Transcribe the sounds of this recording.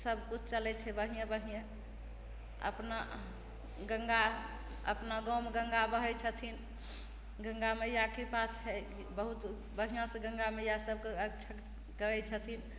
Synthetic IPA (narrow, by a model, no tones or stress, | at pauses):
səbkut͡ʃʰt͡ʃəlɛt͡ʃʰɛbəɦijãbəɦijã | ə̰pna | ɡə̃ŋɡa | ə̰pnaɡɔmɡəŋɡabəɦɛt͡ʃʰət̪ʰin | ɡə̃ŋɡamejakepast͡ʃʰɛ | bəɦut̪ | bəɦijãsẽɡə̃ŋɡamejasəb̚ʱkeəkt͡ʃʰə | kəɛt͡ʃʰət̪ʰin